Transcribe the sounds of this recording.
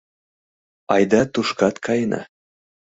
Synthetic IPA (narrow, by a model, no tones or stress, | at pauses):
ɑjd̪ɑt̪uʃkɑt̪kʰɑjnʔɑ̰